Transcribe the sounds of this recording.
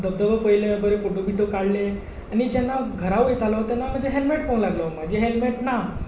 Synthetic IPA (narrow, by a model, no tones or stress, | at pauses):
d̪əb̚d̪əʋəpəjileʋabəɾefoʈobiʈokaɽle | añid͡ʑɛnːaɡʱəɾawjet̪alɔt̪ɛnːam̤ənd͡zeɦelmeʈ̚ponlaɡlom̤ad͡ʑeɦelmeʈna